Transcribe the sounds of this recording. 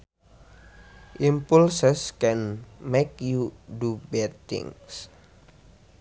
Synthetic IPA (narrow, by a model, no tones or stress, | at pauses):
ʔimpulsəskɛnmekjudubɛt̪ɪ̰ŋs